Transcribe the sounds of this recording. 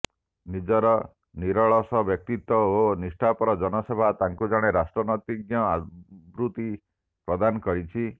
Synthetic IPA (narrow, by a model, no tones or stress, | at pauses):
nid͡ʒɔɾɔ | niɾɔɭɔsɔbjɔk̚t̪it̪wɔonisʈʰapɔɾɔd͡ʒɔnɔsebʱat̪aŋkud͡ʒaɽ̃eɾasʈɾɔnɔt̪iɡjɔabɾut̪i | pɾɔd̪anɔkɔɾit͡ʃʰi